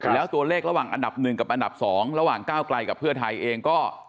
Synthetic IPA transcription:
lɛː˦˥wt̪u˧ɐleː˥˩k̚ɾa˧waː˨˩ŋʔa̰˧nda˨˩p̚nɯ˨˩ŋka˨˩p̚ʔa˧nda˨˩p̚sɔː˩˦ŋɾa˧waː˨˩ŋkaː˥˩wkla˧jka˨˩pʰɯ˥˩ɐt̪ʰa˧jʔeː˧ŋkɔː˥˩

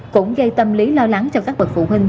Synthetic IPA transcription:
kʊ̰˧˥ŋ͡mɣə˧jt̪ə˧mli˨˦lɔ˧la˨˦ŋt͡ɕɔ˧kaː˦˥k̚və˨˩t̚fṵ˧˩ɦï˧ŋ̟

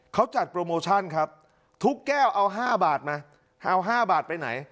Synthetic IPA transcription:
kʰa˦˥wt͡ɕa˨˩t̪̚pɾoː˧moː˧t͡ɕʰa˥˩nkʰɾa˦˥p̚ | t̪ʰu˦˥kːɛː˥˩wʔa˧wɦaː˥˩baː˨˩t̪̚maː˧ | ʔa˧wɦaː˥˩baː˨˩t̪̚pa˧jna̰˩˦j

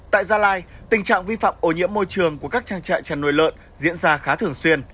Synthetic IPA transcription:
t̪a̰ː˧˨jzaː˧laː˧jt̪ï˨˩ŋ̟t͡ɕa̰ː˧˨ŋvi˧fa̰ː˧˨mʔo˨˩ɲḭ˧˥əmːo˧jt͡ɕɨ˨˩əŋku˧˩əkaː˦˥k̚t͡ɕaː˧ŋt͡ɕa̰ː˧˨nt͡ɕa˧˩nːo̰˧˨jlə̰ː˧˨n | zḭ˧˥ənzaː˧xaː˨˦t̪ʰɨ˨˧˩əŋswi˧ən

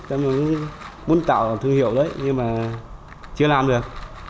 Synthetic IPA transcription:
t̪ə˧˦m˨˩˨ | mu˨˦nt̪a̰ː˧˨wa˨˩t̪ʰɨ˧əŋhḭ˧˨əwɗəː˨˦jɲɨ˧ŋmaː˨˩ | t͡ɕɨ˧əlaː˨˩mɗɨ˨˩ək̚

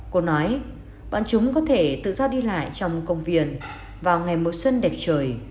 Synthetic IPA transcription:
ko˧nɔ˨˦j | ɓa̰ː˧˨nt͡ɕʊ˨˦ŋ͡mkɔ˨˦t̪ʰe˧˩t̪ɨ̰˧˨zɔ˧ɗi˧la̰ː˧˨jt͡ɕɔ˧wŋ͡mkə˧wŋ͡mvi˧˩ən | vaː˨˩wŋa˨˩jmo˨˩t̚swə˧nɗɛ˨˩p̚t͡ɕəː˨˩j

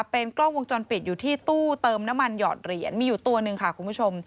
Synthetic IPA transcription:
pe˧nklɔː˥˩ŋwo˧ŋt͡ɕɔ˧npi˨˩t̪̚juː˨˩t̪ʰiː˥˩t̪uː˥˩t̪ɤː˧mna˦˥mːa˧njɔ̰ː˨˩t̪̚ɾi˨˩ənmiː˧juː˨˩t̪u˧ɐnɯ˧ŋkʰa˥˩kʰu˧npʰu˦˥˩t͡ɕʰo˧m

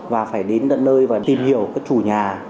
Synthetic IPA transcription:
vaː˨˩faː˧˩jɗe˨˦nɗə̰˧˨nnəː˧jvaː˨˩t̪i˨˩mhi˧˩əwkaː˦˥k̚t͡ɕu˧˩ɲaː˨˩

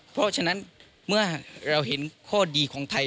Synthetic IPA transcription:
pʰɾɔ˦˥t͡ɕʰa˧na˦˥˨n | mɯ˥˩ɐɾa˧wɦe˩˦nkʰɔː˥˩diː˧kʰɔː˩˦ŋt̪ʰa˧

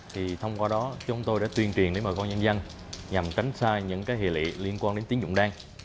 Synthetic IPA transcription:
t̪ʰi˨˩t̪ʰə˧wŋ͡mkwaː˧ɗɔ˨˦t͡ɕʊ˨˦ŋ͡mt̪o˧jɗa̰ː˧˥t̪wi˨˩ənt͡ɕwi˨˩ənɗe˨˦məː˨˩kɔ˧nɲə˧nza˧n | ɲa˨˩mt͡ɕa˨˦jŋ̟saː˧ɲɨ̰˧˥ŋkaː˨˦jhḭ˧˩˨lḭ˧˨li˧ənkwaː˧nɗe˨˦nt̪i˨˦əŋzʊ̰˧˨ŋ͡mɗaː˧ŋ

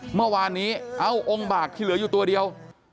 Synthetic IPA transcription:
mɯ˥˩ɐwaː˧nːiː˦˥ʔa˧˥wʔo˧ŋbaː˨˩k̚t͡ɕ̪ʰiː˥˩lɯ˩˦juː˨˩t̪u˧ɐdi˧əw

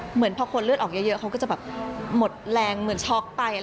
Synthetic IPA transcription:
mɯ˩˦ənpʰɾɔː˧˥kʰo˧nlɯ˥˩t̪ʔɔː˨˩k̚jɤ˦˧˥jɤ˦˥ʔkʰa˦˥kɔː˥˩t͡ɕa˨˩bɛː˨˩p̚mo˨˩t̪̚lɛː˧ŋmɯ˨˩˦ənt͡ɕʰɔː˦˥˩k̚pa˧j

